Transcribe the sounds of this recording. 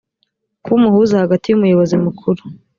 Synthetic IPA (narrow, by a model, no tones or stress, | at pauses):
kuːmuhuzahaɡatijumujo̞βo̞zimukʰuɾu